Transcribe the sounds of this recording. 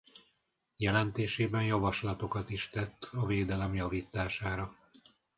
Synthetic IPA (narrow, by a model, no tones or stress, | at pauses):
jɛlɛnt̪eːʃeːbɛnjɒvɒʃlɒt̪o̞kɒt̪iʃt̪ɛt̪ːɒveːd̪ɛlɛmjɒviːt̪ːaːʃaːɾɒ